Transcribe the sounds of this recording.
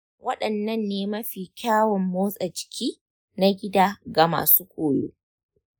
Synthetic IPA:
wʔɐ˦ɗɐ˨nːɐ˦nːeː˦mɐ˦ɸiː˨kʲaː˦wɔ˨mːoː˦sʼa˨t͡ʃɪ̥˨kʲʰiː˦ | na˦ɡʲɪ˦daː˦ɡa˨ma̰ː˨suː˦kʷoː˨jo̰ː˦

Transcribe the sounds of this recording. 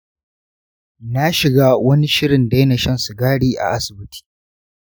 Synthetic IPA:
na˦ʃɪ˨ɡaː˦wɐ˦ni˦ʃɪ˦ɽɪ˨nda˦jna˨ʃɐ˦nsu˨ɡaː˦ɽiː˦ʔa̰˨ʔa˦sɪ˨bɪ˦tʰi̥ː˦˨

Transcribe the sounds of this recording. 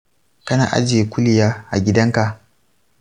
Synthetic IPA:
kɐ˦na̰ː˨ʔa̰˦d͡ʒeː˨˦kʷʊ˦lɪ˨jaː˦ʔa̰˨ɡʲɪ˦dɐ˦ŋka˨ʔ

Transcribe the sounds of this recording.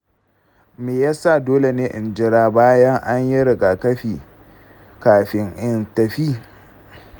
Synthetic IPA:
meː˨ja˦sa˦˨doː˦le˨neː˦ʔɪ˨nd͡ʒɪ˦ɾaː˦baː˦jɐ˦ŋʔa˦ɲjɪ˦ɾɪ˨ɡa˨kɐ˦ɸiː˨ | kaː˨ɸɪ˦ŋʔɪ˦ntɐ˨ɸiː˦

